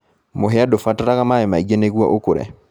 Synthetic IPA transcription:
moɦɛadofataɾaɣamaɛmaiɡeneɣwɔ̰ʔokoɾɛ̰

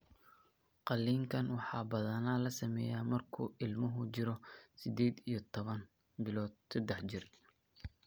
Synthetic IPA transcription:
qɑlːiːŋkʰɐnwɑħɑːbɐðɐnalɐsɐmɛːjaːmɐrkʰṵːɪlmʊɦʊt͡ʃɪɾɔsɪd̪eːd̪ijɞt̪ʰɔβɐn | bɪlɔːd̪̚sɐd̪ɛħt͡ʃɪr

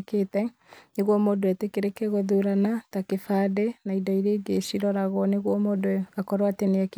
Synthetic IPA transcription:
keːtɛ | neɣwɔmodoɛtekeɾekɛɣoðuɾanatakefaːdenaidɔiɾeːɡeɕiɾɔɾaɣwɔneɣwɔmodoakɔɾwateneak

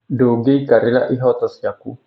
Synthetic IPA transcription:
doɡeikaɾila̰ʔiɦɔt̪ɔsjaku

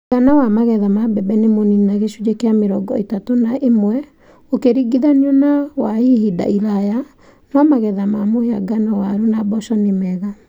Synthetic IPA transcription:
ɡanawamaɣɛðamabɛbɛnemoninaɣeʃud͡ʒekeameɾɔɡɔetatonaʔemwɛ | okeɾiɡiðaniɔnawaihida̰iɾaja | namaɣɛðamamohea̰ɡanawaɾunabɔʃɔnemɛɣa

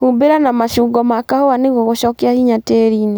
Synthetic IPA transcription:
humbeɾanamaʃuɡɔmakahowaneɣoɣoʃɔkɛahiɲateɾine

